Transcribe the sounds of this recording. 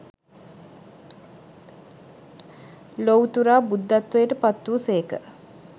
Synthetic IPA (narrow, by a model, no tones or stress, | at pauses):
lowt̪uɾaːbud̪ːat̪ʋəjəʈəpat̪ːuːseːkə